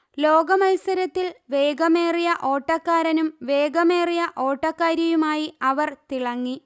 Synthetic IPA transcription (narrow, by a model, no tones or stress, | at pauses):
lo̞ːɡɐmɐjsɐɾɐt̪ːilʋe̞ːɡɐme̞ːrijɐʔo̞ːʈːɐkːaːɾɐnumʋe̞ːɡɐme̞ːrijɐʔo̞ːʈːɐkːaːɾjɐjumaːjiɐʋɐrt̪iɭɐŋːi